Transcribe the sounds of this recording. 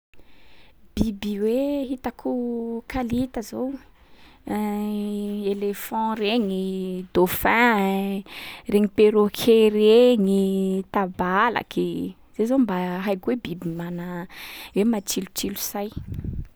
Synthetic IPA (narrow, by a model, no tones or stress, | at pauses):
b̥ibiweɦit̪akʰukalit̪əzow | elefɑ̃ɾeŋid̪ofɛ̃ | reŋipeɾokʰeɾeŋit̪abala̰kʰi | z̥ezombaɦajkuebibimanəwemat͡ʃilut͡ʃilusaj